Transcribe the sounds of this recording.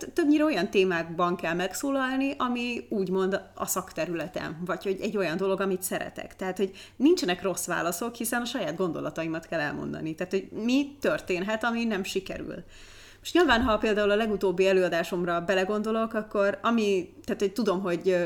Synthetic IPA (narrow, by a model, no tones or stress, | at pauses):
t̪ːøbɲiːɾɛo̞jɒnt̪eːmaːɡbɒŋkɛlmɛksoːlɒlniʔɒmiuːɟmo̞nd̪ɒ̰sɒkt̪ɛɾylɛt̪ɛ̰nvɒcho̞ɟɛɟːo̞jɒnd̪o̞lo̞ɡɒmit̪sɛɾɛ̰t̪ɛ̰kt̪ɛɦaːt̪ho̞ɟnint͡ʃɛnɛkro̞sʋa̰ːlɒso̞khisɛnɒʃɒjaːd̪̚ɡo̞nd̪o̞lɒt̪ɒimɒt̪kɛlːɛ̰lmo̰nd̪ɒ̰nit̪aːt̪ho̞ɟmit̪ørt̪eːnɦɛt̪ɒminɛmʃikɛ̰ɾy̰l | oʃtɲilvaːnɦɒpeːld̪aːulɒlɛɡut̪oːbːiɛløːɒd̪aːʃo̞mrɒbɛlɛɡo̞nd̪o̞lo̞kɒkːo̞rɒmit̪aːt̪ho̞c̚t̪ud̪o̞mɦo̞ɟ